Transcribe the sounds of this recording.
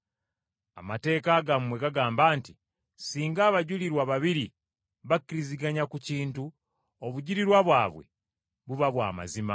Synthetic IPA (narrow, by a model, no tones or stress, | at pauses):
a̰mate̞ːkaɡammwe̞ɡaɡaːmbaːnti | siːŋɡaːβaɟuliɾwaβaβiɾi | βakiɾiziɡaɲakuciːntu | oβuɟiɾiɾwaβwaːβwe̞̰ | βuβaβwa̰ːma̰zima̰